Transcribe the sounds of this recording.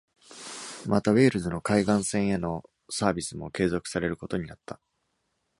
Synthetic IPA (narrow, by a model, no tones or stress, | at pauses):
mat̪aβe̞ːɾɯ̟zɨno̞kaiɡãɰ̃sẽ̞ɰ̃eno̞ | saːbʲisɨmo̞̰ke̞ːzo̞kɯ̟̥saɾe̞ɾɯ̟ko̞t̪o̞ɲ̟inat̪ːa